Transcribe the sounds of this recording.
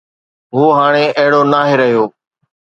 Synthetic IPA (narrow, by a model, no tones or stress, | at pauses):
ɦuːɦaːɽ̃eɐɦɪɽoːnaːɦeɾəɦijoː